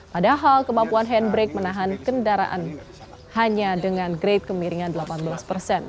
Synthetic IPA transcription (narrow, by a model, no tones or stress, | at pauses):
padaɦalkəmampuanɦɛnbɾɛk̚mənaɦankəndaɾa̰ʔa̰n | haɲadəŋanɡɾet̪̚kəmiɾiŋandəlapanbəlaspərsɛn